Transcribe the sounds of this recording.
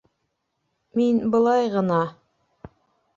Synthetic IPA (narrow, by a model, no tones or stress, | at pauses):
minbɤ̆lˠɑjʁɤ̆nɑ